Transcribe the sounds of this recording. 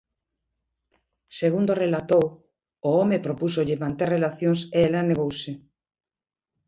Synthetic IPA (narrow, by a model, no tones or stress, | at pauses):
seɣund̪orelat̪ow | oomepɾopusoʎɪmãnt̪erelaθjoŋseelaneɣowsɪ